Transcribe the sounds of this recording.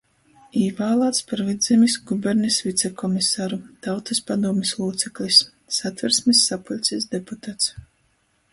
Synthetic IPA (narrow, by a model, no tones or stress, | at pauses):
ivaːlˠaːt̪spaɾvid̪zɛmisɡubɛɾnisvit̪sɛkɔmisaːɾut̪awt̪saspad̪uɔmislˠuːt̪sɛklʲˠisː | at̪vɛɾsmisːapulʲt̪sʲisd̪eput̪at̪s